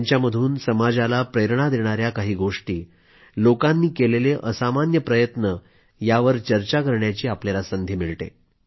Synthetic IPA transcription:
ɲt͡ɕjaməd̪ʱuːnsəmad͡zalapɾeɾɳ̃ad̪eɽ̃aɾjakaɦiːɡoʂʈiː | lokanːiːkeleleʔəsamanjəpɾəjət̪nə | jaʋəɾt͡ɕəɾt͡ɕakəɾɳjat͡ɕiːapljalasənd̪ʱjimiɭʈ̪ḛ

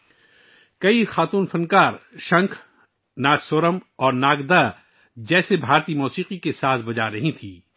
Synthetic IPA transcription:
kɐixaːt̪uːnfɐnkaːɾʃɐ̃ŋkʰ | naːd͡ʒsʊɾəmɔːɾnaːɡd̪a | d͡ʒɛːsebʱaːɾt̪imɔːsiːqikesaːt̪ʰbɐd͡ʒaɾɐɦĩt̪ʰiː

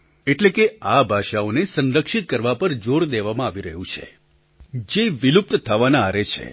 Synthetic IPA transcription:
eʈlekeabʱaʃaonesə̃nɾəkʃit̪̚kəɾʋapəɾd͡ʒoɾd̪eʋamãaʋiɾəɦũt͡ʃʰḛ | d͡ʒeʋilup̚t̪t̪ʰəʋanaːɾet͡ʃʰḛ

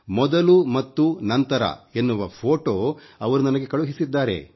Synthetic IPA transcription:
mɔd̪ɐlumɐt̪ːunɐnt̪ɐɾɐ̰e̞nːuʋɐpʰoːʈoːɐʋɐɾunɐnɐɡe̞kɐɭuɦisid̪ːaːɾe̞̰

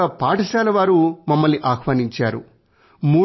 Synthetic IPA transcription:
ɐpaːʈɐʃaːlɐʋaːɾumɐmːɐlniʔaːkʋaːniɲt͡ʃaːɾṵ | muː

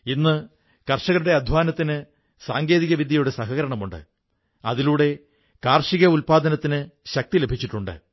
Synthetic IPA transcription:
inːɨ | kɐrʂɐɣɐɭuɽe̞ɐd̪ʱʋaːnɐt̪ːinɨ | saːŋɡe̞ːðiɣɐʋid̪jɐjuɽesɐɦɐɣɐɾɐɳɐmuɳɖɨ̰ | ɐ̰ðiluːɽe̞ | kaːrʂiɣɐulpaːd̪ɐnɐt̪ːinɨɕɐk̚t̪ilebʱit͡ɕːiʈːuɳɖɨ̰

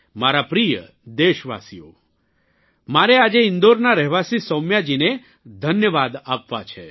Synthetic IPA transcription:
maɾapɾijə | d̪eʃʋa̰sio̰ | maɾead͡ʒeɪnd̪oɾnaɾɛɦʋasisəwmjad͡ʒine | d̪ʱənjəʋad̪apʋat͡ʃʰe

